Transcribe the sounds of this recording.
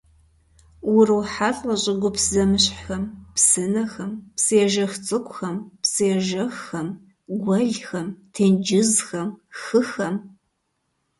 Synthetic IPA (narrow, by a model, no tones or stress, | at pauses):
wʊrɨwħaɬʼɐɕʼɪɡʷʊpzɐmɨɕħxɐmpsɨnɐxɐmpsiɛʒɐxt͡sʼɨkʷʼxɐmpsiɛʒɐxːɐm | ɡʷɐɮxɐmtʰeːnd͡ʒɪzxɐmxɨxɐm